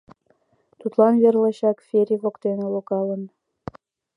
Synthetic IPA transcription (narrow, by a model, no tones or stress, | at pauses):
t̪ut̪lɑnverlɤɕɑkfʲeɾʲiβokt̪enelokɑlə̆n